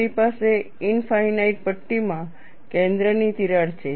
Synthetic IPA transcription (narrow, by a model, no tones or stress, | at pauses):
ipase | ɪnfainaiʈ̚pəʈːimã | kẽnd̪ɾənit̪iɾaɾt͡ʃʰe